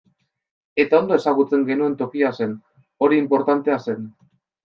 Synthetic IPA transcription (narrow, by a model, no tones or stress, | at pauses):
e̞t̪ao̞nd̪o̞e̞saɣut͡se̞ŋɡe̞nue̞nt̪o̞kiase̞n | o̞ɾiːmpo̞ɾt̪ant̪e̞ase̞n